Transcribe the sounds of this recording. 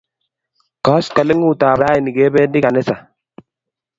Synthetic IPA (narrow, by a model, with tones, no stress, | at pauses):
kɔ˦ska˨lɪ˦ŋuː˦˨taː˨bɾaː˦i˨ni˨ɡeː˦be˦ndi˦ka˨nɪ˦sa˨